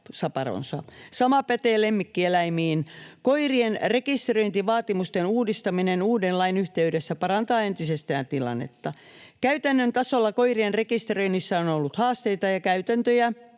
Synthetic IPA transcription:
sɑpɑro̰nsɑ̰sɑmɑpæt̪eːlemːikːielæimiːnkoirienrekist̪roint̪iʋɑːt̪imust̪enuːdist̪ɑminenuːdenlɑinyht̪eydesːæpɑɾɑnt̪ɑːent̪isest̪æːnt̪ilɑ̰nːḛt̪ːɑ | kæyt̪ænːønt̪ɑsolːɑkoirienrekist̪røinːisːæonolːut̪hɑːst̪eit̪ɑjɑkæyt̪ænt̪øjæ

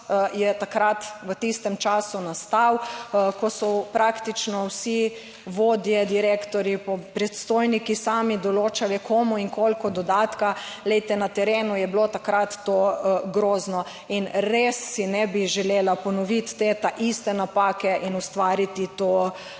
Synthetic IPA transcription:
jɛt̪akɾat̪ʋət̪ist̪ɛmt͡ʃaːsunast̪awkɔsɔpɾakt̪it͡ʃnɔwsi | ʋoːd̪jɛd̪iɾekt̪ɔɾipɔpɾɛt̪st̪oːjnikisaːmid̪ɔloːt͡ʃalɛkʰomuiŋkolkɔd̪ɔd̪aːt̪kalɛjt̪ɛnat̪ɛɾeːnujɛblot̪akɾat̪ːoɡɾoːznɔ | inɾesːinɛbiʒɛleːlapɔnɔʋit̪ːet̪aʔist̪ɛnapaːkɛʔinust̪ʋaːɾit̪it̪o

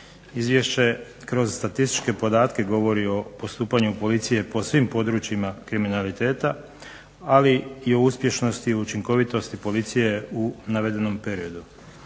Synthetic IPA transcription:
izʋje̞ʃt͡ɕe̞ | kɾo̞zst̪at̪ist̪i̥t͡ʃke̞po̞d̪aːt̪ke̞ɡo̞ʋo̞ɾio̞po̞st̪uːpaɲupo̞lit̪sije̞po̞sʋimpo̞d̪ɾuːt͡ɕjimakɾiminalit̪e̞ːt̪a | aliio̞uspje̞ʃno̞st̪iout͡ʃiŋko̞ʋit̪o̞st̪ipo̞lit̪sije̞unaʋe̞d̪e̞no̞mpe̞ɾio̞d̪u

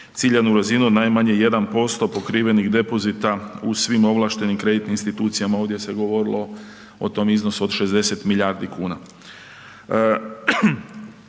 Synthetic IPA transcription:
t̪siːʎanuɾazinunajmaɲe̞je̞d̪anpo̞st̪o̞po̞kɾiːʋe̞niɣd̪e̞po̞zit̪ausʋimo̞ʋlˠaːʃt̪e̞nimkɾe̞d̪it̪niinst̪it̪uːt̪sijamao̞ːʋd̪ʲje̞se̞ɡo̞ʋo̞ɾilˠo̞ | ot̪o̞mizno̞suod̪ʃe̞zd̪e̞se̞t̪miʎaɾd̪ikuːna

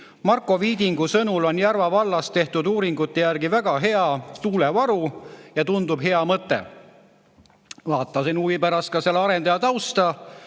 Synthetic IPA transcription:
mɑrkːˑo̞viːd̪iŋɡ̥usɤnulo̞njærvɑvɑlːɑst̪e̞ht̪ud̪uːɾiŋɡut̪ːe̞jærɡivæɡ̥ɑɦe̞ɑt̪uːlevɑɾujɑt̪und̪ub̥ɦe̞ɑmɤt̪ːˑḛ | vɑːt̪ːˑɑsinuːvipæɾɑst̪̚kɑse̞lːeɑɾe̞nd̪ɑjɑt̪ɑwst̪ɑ

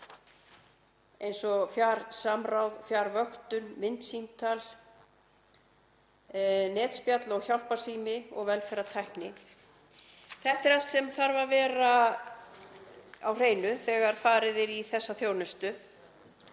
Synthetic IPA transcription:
ejnsɔfjaːɾ̥saːmɾawðfjaːɾvœxt̪ʏnmɪnt̪simt̪ʰal | nɛːt̪spjat̪lɔɣçjawl̥paɾ̥siːmɪɔ̰ɣvɛlfɛɾat̪ʰajhknɪ | θɛht̪ɛɾal̥t̪sɛmθaɾvavɛːɾa | awr̥eːjnʏθɛːɣaɾ̥faːɾɪðɪɾiθɛsːaθjowɾnʏst̪ʏ

